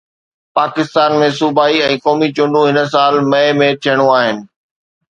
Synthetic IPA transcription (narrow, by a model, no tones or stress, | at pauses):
paːkɪst̪aːnmẽsuːbaːiɛ̃ːkɔːmit͡ɕʊ̃ɳɖũɦɪnə̆s̬aːlmɐemẽt̪ʰijəɽ̃uaːɦɪnɪ̆